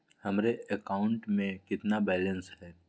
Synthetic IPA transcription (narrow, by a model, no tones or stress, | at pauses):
hɐmɾeəkaːʊɳʈmẽkɪt̪nabɛːlə̃nsɦɛː